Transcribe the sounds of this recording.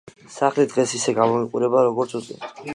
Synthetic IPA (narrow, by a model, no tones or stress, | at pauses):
saχlid̪ʁɛsisɛɡamɔiqʼuɾɛbaɾɔɡɔɾt̪sʰut̪sʼɛ̰